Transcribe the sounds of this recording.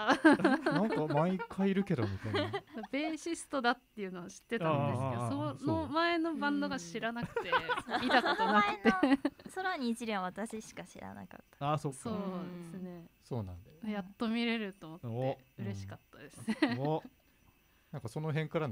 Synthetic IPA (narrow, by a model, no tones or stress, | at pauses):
nãŋkamãikʰːaiiɾɯ̟ke̞d̪omʲit̪aid̪abe̞ːɕisɨ̥t̪o̞d̪at̪ːe̞jɯ̟ːnoβaɕi̥t̪ːe̞t̪ãeseosonomae̞no̞bãnd̪o̞ɡaɕiɾanak̟ɯemit̪akɯnɯnakɯ̟̥t̪ːesoɾaɲ̟iːt͡ɕiɾʲiβaβat̪aɕiɕi̥kaɕḭɾa̰na̰ka̰t̪ːḁaːsoso̞ːd̪esɨne̞soːnã̰nd̪ajat̪ːo̞mʲiɾe̞ɾɯ̟t̪oːmo̞t̪ːeɯ̟ɾe̞ɕi̥kat̪ːad̪e̞sɨneo | nãŋkaso̞noɦẽ̞ŋkaɾa